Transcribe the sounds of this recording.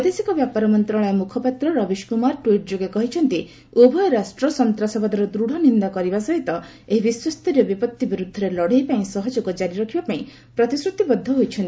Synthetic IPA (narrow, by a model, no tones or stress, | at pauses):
pɔd̪esikɔbjapaɾɔmɔnt̪ɾɔɭ̃ɔemukʰɔpat̪ɾɔɾɔbiʃkumaɾʈwiʈ̚d͡ʒoɡekɔɦit͡ʃʰɔnt̪i | obʱɔjɔɾasʈɾɔsɔnt̪ɾasɔbad̪ɔɾɔd̪ɾuɽ̤ɔnind̪akɔɾibasɔɦit̪ɔ | eɦibiswɔst̪ɔɾiɔbipɔt̪ːibiɾud̪ʱːɔɾelɔɽ̤ejpaĩsɔɦɔd͡ʒoɡɔd͡ʒaɾiɾɔkʰibapaĩ | pɾɔt̪isɾut̪ibɔd̪ʱːɔɦojt͡ʃʰɔnt̪i